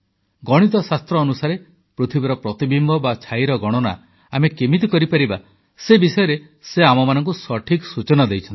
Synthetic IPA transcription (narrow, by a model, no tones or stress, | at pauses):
ɡɔɽ̃it̪̬ɔsast̪ɾɔːnusaɾe | pɾut̪ʰibeɾɔpɾɔt̪ibimbɔbat͡ʃʰajɾɔɡɔɽ̃ɔna̰ | amekemit̪̬ɔkɔɾipaɾiba | sebisɔjɔɾe | seamɔmanɔŋk̬usɔʈʰiksut͡ʃɔnɔd̪ejt͡ʃʰɔnt̪i